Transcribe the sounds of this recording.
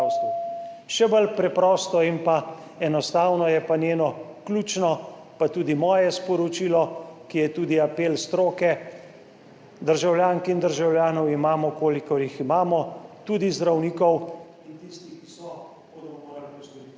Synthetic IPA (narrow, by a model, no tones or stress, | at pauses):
wst̪uʃɛbəlpɾɛpɾɔːst̪ɔinpa | ɛnɔst̪aːwnɔjɛpanjeːnɔkluːt͡ʃnɔ | pat̪uːd̪imɔːjɛspɔɾɔt͡ʃiːlɔkijɛt̪uːd̪iapeːlst̪ɾoːkɛ | d̪əɾʒawljaːŋkind̪əɾʒawljaːnɔwimaːmɔkoːlikɔɾjiximaːmɔt̪uːd̪izd̪ɾawniːkɔw | int̪ist̪ikisɔ | b̥oːd̪ɔmɔmoːɾaliɡɔst̪ɔɾit̪